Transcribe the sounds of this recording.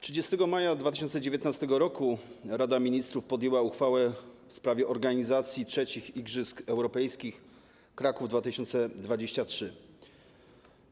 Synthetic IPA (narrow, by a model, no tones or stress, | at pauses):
tʂɘd͡ʑest̪ɛɡɔmajad̪vat̪ɘ̥ɕɔnt̪sɛd͡ʑevʲet̪nast̪ɛɡɔɾɔkuɾad̪amʲiɲist̪ɾufpɔd̪jɛwauxfawɛfspɾavʲjɛʔɔɾɡaɲizat̪sʲjitʂɛt͡ɕixiɡʐɘskɛwɾɔpɛjskʲix | kɾakuvd̪vat̪ɘɕɔnt̪sɛd̪vad͡ʑeɕt͡ɕatʂɘ